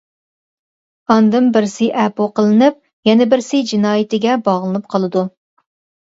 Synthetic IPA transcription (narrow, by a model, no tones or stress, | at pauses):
ɑnd̪ɨmbɪɾsɪʔɛpoqəlˠɨnɨp̚ | jɛnɛbɪɾsɪd͡ʒinɑːjɪt̪ɪɡʲɛbɑʁlˠɨnɨp̚qʰɑlˠɨd̪u